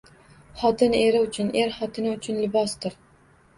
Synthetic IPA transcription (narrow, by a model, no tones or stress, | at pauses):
χɒt̪ʰɪne̞ɾɪʊt͡ʃʰʊnʔe̞ɾχɒt̪ʰɪnɪʊt͡ʃʰʊnlɪbɒst̪ɪɾ